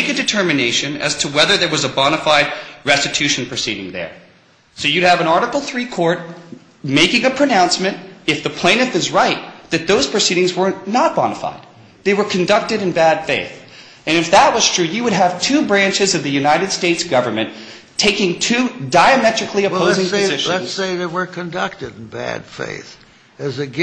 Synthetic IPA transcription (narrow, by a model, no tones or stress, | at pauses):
ɪkɨdɨtʰɜ˞mɨneɪʃɨ̃nɨ̰z̥tʰəwɛðə˞ðə˞wʌzəbɑñəfaɪd̚ɹɛstɨtʰʉʃɨ̃n̩pʰɹ̥ɨsiɾɪ̰̃ŋðə̰˞ | soʊjɨɾɨvɨ̃ñɑɹɾəkl̩ˠθɹikʰɔɹt̚ | meɪkɪ̃ŋɨpʰɹ̥ɨnãʊ̃nsmɨ̃ntɨfðɨpʰl̥ẽɪ̃ñɨfɨzɹaɪt̪̚ðɨt̪̚ðoʊz̥pʰɹ̥ɨsiɾɪ̃ŋzwə˞nət̚b̥ɑ̰nəfa̰ɪd̪̚ | ðeɪwə˞kʰɨ̃n̩dʌk̚tɨɾɨ̃nbæd̥feɪθ | ɨ̃nɨfðət̚wʌz̥tʰɹ̥ʉjɨwəɾ̚əv̥tʰʉbɹæ̃nt͡ʃɨzʌvðɨjʉnaɪɾɨd̥steɪtsɡ̥ʌvə˞mɨ̃n | tʰeɪkɪ̃ŋtʰʉdaɪɨmɛt͡ʃɹ̥ɨkʰliɨoʊzɪ̃ŋzɪʃənseɪðewə˞kʰɨ̃ndʌ̰k̚tɨɾn̩bæ̰d̥fḛɪθ | ɨzɨɡ